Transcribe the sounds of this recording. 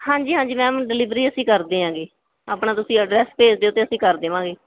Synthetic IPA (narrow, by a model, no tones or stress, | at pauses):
hãːɲd͡ʒiːɦãːɲd͡ʒiːmɛ̃ːɖɪlɪʋɾiːəsĩːkəɾd̪eːɦãːɡeː | aːpɳãːt̪ʊsĩːəɖɾɛːspeːd͡ʒd̪eːʊt̪ːeːəsĩːkəɾd̪eːʋãːɡeː